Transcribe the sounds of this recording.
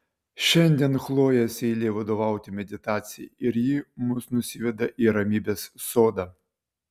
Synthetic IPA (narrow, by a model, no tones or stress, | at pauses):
ʃɛnʲd̪ʲɛnxlˠɔjɛsʲɪlʲiʋɐd̪ɔʋɑwt̪ʲɪmʲɛd̪ʲɪt̪ɑt͡sʲɪjḭiɾjimʊsnʊsʲiʋʲɛd̪ɐʔiɾɐmʲibʲɛssɔd̪ɐ